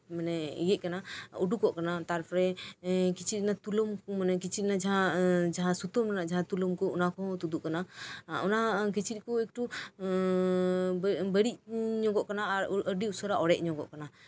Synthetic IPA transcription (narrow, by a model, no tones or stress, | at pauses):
manɛḭjɛʔ̚kanauɖukɔʔkanat̪aɾpʰɾɛkit͡ʃʰit̪̚ˀnat̪ulɔmmanɛkit͡ʃʰit̪̚nad͡ʒaɦãd͡ʒaɦãsut̪ɔmkanaʔd͡ʒaɦãt̪ulɔmkɔɔnakɔt̪ud̪uʔkanaɔnak̬it͡ʃʰit̪̚ˀkɔɛk̚ʈu | bəɽiʔɲɔŋɡɔʔkanaːɾəɖiusɔɾaʔɔɽɛʔ̚ˀɲɔɡɔ̰ʔkana